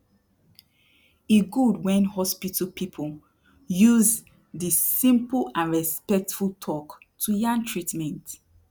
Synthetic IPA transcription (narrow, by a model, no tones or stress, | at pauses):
eɡudwɛ̃nhɔspitʰəlpʰipʰə | juz | disĩmpəl̩ãnɹɛspɛk̚tfultʰɔk | tʰujãŋtʰɹitmɛ̃nt